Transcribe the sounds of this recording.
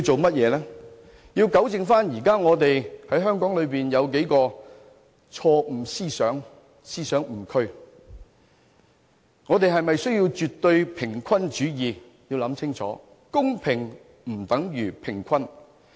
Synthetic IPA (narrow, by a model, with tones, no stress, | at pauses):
i˧wt͡so˨wmɐ˥t̚jɛː˨˧lɛː˥ | jiː˧wkɐ˨˥wt͡sɪ˨ŋfaː˥njiː˨˩kaː˥ŋɔː˨˧t̪e˨jhɐ˨˥jɦœː˥ŋkɔː˨˥ŋlɵ˨˧ɥpiː˨njɐ˨˧wk̬e˨˥jkɔː˧ | t͡ʃʰɔː˧m̩˨˩siː˥sœː˨˥ŋ | siː˥sœː˨˥ŋm̩˨˩kʰɵ˥ɥ | ŋɔː˨˧t̪e˨jɦɐ˨jmɐ˨jsɵ˥ɥji˧wt͡ʃyː˨t̪ːɵ˧ɥpʰɪ˨˩ŋkʰɐ˥nt͡ʃyː˨˥jiː˨˧ | jiː˧wlɐ˨˧˥mt͡sʰɪ˥ŋt͡ʃʰɔ̰ː˨˥ | kʊ˥ŋpʰɪ˨˩ŋ | m̩˨˩t̪ɐ˨˥ŋjyː˨˩pʰɪ˨˩ŋkʷʰɐ˥n